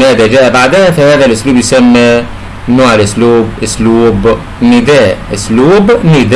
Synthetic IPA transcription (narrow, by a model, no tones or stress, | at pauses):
næːd̪æd͡ʒæːʔæbaʕd̪æhæfæhæːðælʔʊsluːbjsæmːi | noːʕalʔʊsluːbʔʊsluːb | nːɪd̪æːʔʊsluːbnɪd̪